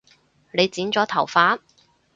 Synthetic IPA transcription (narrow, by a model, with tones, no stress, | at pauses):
ne˨˧jt͡siː˨˥nt͡sɔː˨˥t̪ʰɐ˨˩wfaː˨˥n